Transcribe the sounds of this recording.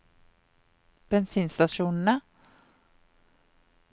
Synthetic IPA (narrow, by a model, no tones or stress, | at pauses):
b̥ɛnsiːnst̪aʂuːnəna